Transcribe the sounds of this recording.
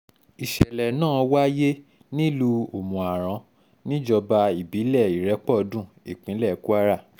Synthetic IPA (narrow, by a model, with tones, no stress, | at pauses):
i˨ʃɛ˨lɛ˨nãː˦˨wa˦je˦ | nĩ˦lu˧o˨mũ˨a˨ɾ̃ã˨˧ | nĩ˦d͡ʒɔ˧ba˧i˨bi˨˦lɛ˦˨i˨ɾɛ˨˦k͡pɔ˦˨˧dũ˦˨i˨k͡pĩ˨˦lɛ˦˨˦ku˦a˦ɾa˦˨